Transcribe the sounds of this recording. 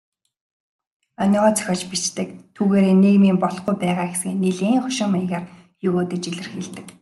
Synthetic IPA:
ɔnʲɞːʁɔːt͡sœ̥xʲɔːt͡ɕpit͡ɕt̪ɘ̆k̚t̪ʰuːɣeːɾeːneːɣmiːmpɔɮ̆χɡujpæːʁaːxesɡeːneɮeːŋχʊʃɪ̆ŋmajɣaːr | jɵɣoːt̪eːt͡ɕiɮɘ̆rxiɮt̪ɘ̆k̚

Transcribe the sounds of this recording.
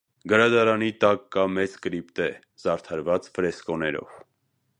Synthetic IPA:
ɡəɾɑd̪ɑɾɑnit̪ɑkːɑmɛt͡skɾipt̪ɛ | z̥ɑɾt̪ʰɑɾvɑt͡sfəɾɛskɔnɛɾɔ̰v

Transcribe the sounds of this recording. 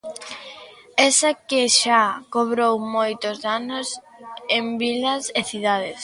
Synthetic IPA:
ɛsakeʃakoβɾowmojt̪ozðanosembilɐseθiðað̞es

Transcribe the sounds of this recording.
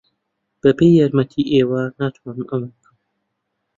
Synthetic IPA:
b̥ɐpʰejːaɾmɐt̪ʰiʔeːwanaːt̪ʰwaːnɨmɐmabɨkʰɨm

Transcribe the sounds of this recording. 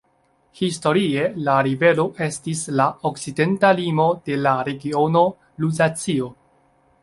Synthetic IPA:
histo̞ɾie̞laɾive̞lo̞ʔe̞stislaokt͡side̞ntalimo̞de̞laɾe̞ɡio̞no̞ | luzat͡sio̞

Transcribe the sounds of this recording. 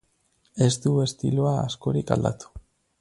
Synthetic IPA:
e̞st̪ue̞st̪ḭloaasko̞ɾikald̪a̰t̪u̥

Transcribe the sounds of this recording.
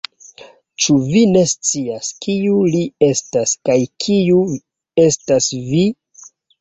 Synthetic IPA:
t͡ʃuvine̞st͡siaskiulie̞staskajkʰiu | e̞stasvi

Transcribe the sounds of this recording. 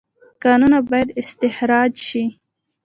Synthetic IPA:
kɑnunabɑjad̪ɪst̪ɪhɾɑd͡ʒʃi

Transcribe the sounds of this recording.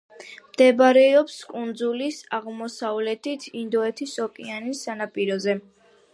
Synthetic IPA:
md̪̥ɛbɾɛɔpskʼund̪zulisaʁmɔsavlɛt̪ʰit̪ʰind̪ɔɛt̪ʰisɔkʼianisːanapʼiɾɔzɛ

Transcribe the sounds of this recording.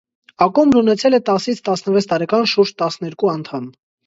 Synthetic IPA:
ɑkumbɾunɛt͡sʰɛlɛt̪ɑsit͡sʰt̪ɑsnəvɛt͡sʰt̪ɑɾɛkɑnʃuɾd͡ʒt̪ɑsnɛɾkuɑnt̪ʰɑm

